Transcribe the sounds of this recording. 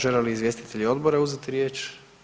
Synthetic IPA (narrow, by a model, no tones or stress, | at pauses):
ʒeleliizʋje̞st̪i̥t̪e̞ʎio̞d̪boɾauzet̪iɾje̞ːt͡ʃ